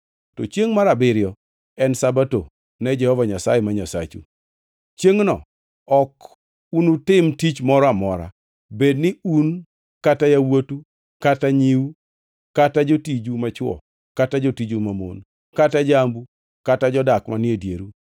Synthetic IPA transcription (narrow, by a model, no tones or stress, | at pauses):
tot͡ʃjeŋmaɾabɪɾjɔ | ɛnsabato | nɛd͡ʒɛhɔvaɲasa̰jemaɲasa̰t͡ʃṵ | t͡ʃjeŋnɔ̰ | ɔk | unutɪmtit͡ʃmɔɾɔamɔɾa̰ | bednɪun | katajawotu | kataɲiu | katad͡ʒotid͡ʒumat͡ʃwɔ̰ | katad͡ʒotid͡ʒumamo̰n | katad͡ʒambu | katad͡ʒɔdakmanjedjeɾu